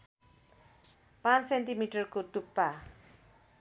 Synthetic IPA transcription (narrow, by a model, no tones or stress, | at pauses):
pãt͡ssent̪imiʈʌrkot̪upːa